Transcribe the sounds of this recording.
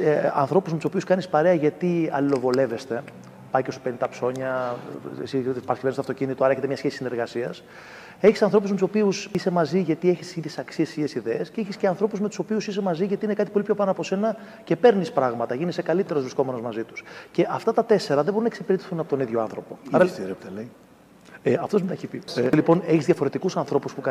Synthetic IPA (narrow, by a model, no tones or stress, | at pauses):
ɐ̰nθɾo̞puzmet̪uso̞piuskɐnispɐɾeɐʝɐt̪iɐ̰lilo̞vo̞le̞ve̞st̪e̞ | pɐjcesupenint̪ɐpso̞ɲɐ̰ | sipɐɾɐskivenst̪ɐft̪o̞cinit̪oɐɾɐeçet̪emɲɐsçesisine̞ɾɣɐsiɐs | eçisɐnθɾo̞puzmet̪uso̞piusisemɐziʝɐt̪ieçist̪siðjesɐksiessiesiðeesceeçisceɐnθɾo̞puzme̞t̪u̥sopiusis̬e̞mɐziʝɐt̪iine̞kɐt̪i̥po̞lipçopɐnoɐpo̞se̞nɐ | ce̞pe̞ɾnispɾɐɣmɐt̪ɐʝinisekɐlit̪e̞ɾo̞zvɾisko̞me̞no̞zmɐzit̪u̥sce̞ʔɐft̪ɐt̪ɐt̪e̞se̞ɾɐðebo̞ɾunɐeksepiɾet̪i̥θunɐpo̞t̪oniðʝo̞ɐ̰nθɾo̞po̞ɐɾɐiɾept̪ɐlei | eɐft̪o̞zmineçipilipo̞ne̞çizðʝɐfo̞ɾet̪ikusɐnθɾo̞puspukɐ